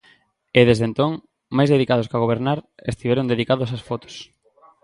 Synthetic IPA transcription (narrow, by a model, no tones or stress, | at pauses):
eðezðent̪oŋ | majzðeðikað̞oskaɣoβeɾnaɾest̪iβɛɾond̪eðikaðos̬asfɔt̪o̥s